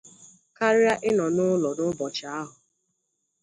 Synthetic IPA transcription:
ka˦ɾɪ˦a˦ʔɪ˦nɔ˨nʊ˦lɔ˨nʊ˦bɔ˨t͡ʃa˨a˦ɦʊ˨

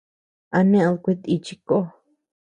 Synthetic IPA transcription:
a˧nẽ˦˧lkʷi˦t̪i˧t͡ʃi˧ko˦

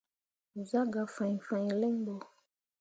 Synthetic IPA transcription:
u˨za˦ɡa˨fã˨ɲ˨fã˨ɲ˨lɛ˦ŋbɔ˨

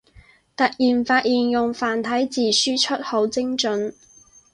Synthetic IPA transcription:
t̪ɐ˨t̚jiː˨˩nfaː˧t̚jiː˨˩njʊ˨ŋfaː˨nt̪ʰɐ˨˥jt͡siː˨˩syː˥t͡ʃʰɵ˥t̚ho˨˥wt͡sɪ˥ŋt͡ʃɵ˨˥n

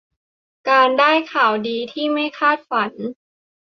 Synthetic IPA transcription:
kaː˧ndaː˥˩jkʰaː˨˩wdiː˧t̪ʰiː˥˩ma˥˩jkʰaː˥˩t̪̚fa˩˦n

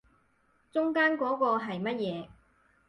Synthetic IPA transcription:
t͡ʃʊ˥ŋkaː˥nkɔː˨˥kɔː˧ɦɐ˨jmɐ˥t̚jɛː˨˧

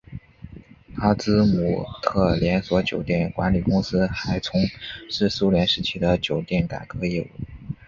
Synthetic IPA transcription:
t̪ʰa˥t͡sɹ̩˥mu˨˩t̪ʰɤ˥˩ljɛ˧˥nswɔ˧˥t͡ɕjo˨˩ʊt̪jɛ˥˩nkwa˧˥nli˨˩kʊ˥ŋsɹ̩˥xa˧˥ɪt͡sʰʊ˧˥ŋʂɻ̩˥˩su˥ljɛ˧˥nʂɻ̩˧˥˩t͡ɕʰi˧˥d̪ə˨t͡ɕjo˨˩ʊt̪jɛ˥˩nka̰˨˩kɤ˧˥i˥˩˨

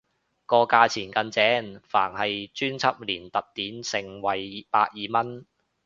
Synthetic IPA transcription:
kɔː˧kaː˧t͡sʰiː˨˩nkɐ˧nt͡sɛː˨˥nfaː˨˩nhɐ˨jt͡ʃyː˥nt͡sʰɐ˥p̚liː˨˩nt̪ɐ˨p̚t̪iː˨˥nsɪ˨˩ŋwɐ˨jpaː˧k̚jiː˨mɐ˥n

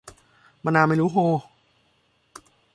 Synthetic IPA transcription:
ma˧naː˧ma˥˩jɾuː˦˥ɦoː˧

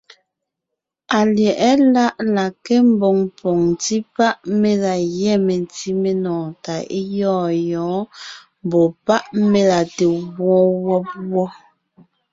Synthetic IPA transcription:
a˨ljɛ˨ʔɛ˦la˦ʔla˨ke˦m̩˦bɔ˨ŋpʰɔ˨ŋti˦pa˦ʔme˦la˨jɛ˦˨me˨nti˦me˦nɔ̃ː˨ta˨e˦jɔː˦˨jɔ̃ː˨˦ | m˨bɔ˨pa˦ʔme˦la˨te˨ɣwɔ̃ː˦wɔ˦p̚wɔ˦

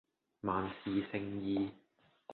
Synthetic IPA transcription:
maː˨˩nsiː˨sɪ˧ŋjiː˧

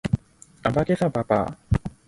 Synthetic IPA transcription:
a˨ba˦ke˦sa˥˨pa˨pa̰˨

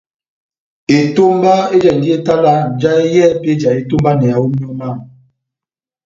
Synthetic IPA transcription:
e˨to˦mba˦e˦d͡ʒɛ˨n˨di˦e˦ta˦la˦˨d͡ʒa˦e˦jɛ˦˨˦pe˦d͡ʒa˨e˦to˦mba˦nɛ˨a˨u˦mi˦ɔ˦ma˦˨

